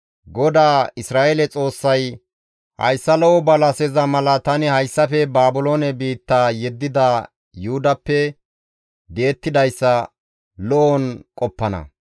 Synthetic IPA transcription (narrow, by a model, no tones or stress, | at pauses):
ɡɔd̪aːɪsɾaːʔelɛt͡sʼo̞ːsːɐj | hɐ̰jsːɐlɔʔɔbɐlɐsɛzɐmɐlɐt̪ɐnɪhɐjsːɐfɛbaːbʊloːnɛbiːt̪ːaːjɛd̪ːɪd̪a | jʊhʊd̪ɐpːɛ | b̪e̞ːt̪ːɪd̪ɐjsːɐ | lɔʔɔnkʼɔpːɐnɐ̰